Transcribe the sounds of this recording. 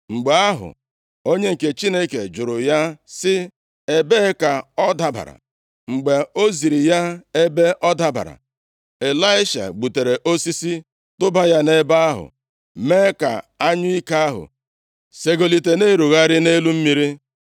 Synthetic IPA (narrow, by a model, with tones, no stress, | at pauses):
ŋ͡m̩˨ɡ͡be˨˦a˦ɦʊ̰˨ | o˦ɲe˦ŋ̩˨ke˨t͡ʃi˦ne˦ke˨d͡ʒʊ˨ɾʊ˨ja˦sɪ˦ | e˦be˦ka˨ɔ˦da˦ba̰˨ɾa̰˨ | ŋ͡m̩˨ɡ͡be˨o˦zi˨ɾi˨ja˦e˦be˦ʔɔ˦da˦ba̰˨ɾa̰˨ | e˨la˦ɪ˦ʃa̰˨ɡ͡bu˨te˨ɾe˨ʔo˦si˦si˦ | tʊ˦ba˦ja˦ne˦ba˦a˦ɦʊ̰˨ | me˦ka̰˨a˦ɲʊ˦i˦ka˦a˦ɦʊ̰˨ | se˦ɡo˨li˨te˨ne˦ɾu˨ɣa˦ɾɪ˦ne˦lu˦m̩˦mi˦ɾi˦